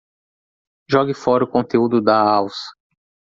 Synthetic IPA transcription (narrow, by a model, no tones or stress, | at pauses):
ʒɔɡɪfɔɾɐʊkõt̪eud̪ʊd̪ɐawsɐ̥